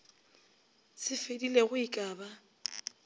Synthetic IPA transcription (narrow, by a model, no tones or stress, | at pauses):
sɪfedileɣʊikʼaːba